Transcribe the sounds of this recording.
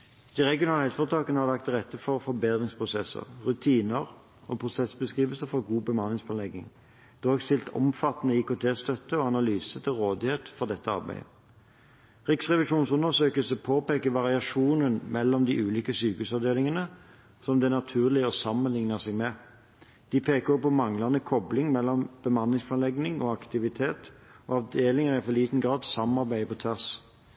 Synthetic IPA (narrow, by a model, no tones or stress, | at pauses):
d̪̥ɪʁɛɡɪʊnɑːləhɛt̪fɔʁt̪ʰɑːkənəhɑʁlɑk̚t̪ʁɛt̪ːəfɔʁfɔɾbeːd̪ʁɪŋspʰʁʊsɛsə̰ʁʁʉt̪ʰiːnəʁ | ɔːpʰʁʊsɛsbəskʁiːʋəlsəfɔʁɡuːbəmɑnɪŋspʰɑnlɛɡɪ̰ŋ | d̪̥oːɡst̪ɪlt̪ʰɔ̰mfɑt̪ːnəɪkʊt̪ʰeːst̪œt̪ːəɔːɑnɑlyːsət̪ʰɪlʁoːd̪ɪheːt̪fɔʁd̪ɛt̪ːəɑ̰ʁbæ̰ɪə̰ | ʁɪksʁɛʋɪʂuːnsʉnəsøːkəlsəpʰoːpeːkəʋɑʁɪɑʂuːnənmɛlːɔmd̪iʔʉːliːkəsyːkəʉsɑʋd̪eːlɪŋənə | sɔmd̪ɛnɑt̪ʰʉːʁlɪəɔsɑmːənlɪŋnəʁsɛɡmɛ | d̪̥ɪpʰeːkəʁɔpːɔmɑŋlɑnəkʰɔblɪŋmɛlːɔmb̥əmɑnːɪŋspʰɑnlɛɡnɪŋɔːɑkt̪ɪʋɪt̪ʰeːt̪oːɑʋd̪eːlɪŋəʁæɪfɔʁliːt̪n̩ɡʁɑːd̪sɑmɑʁbæɪəpɔt̪ʰʋæʁs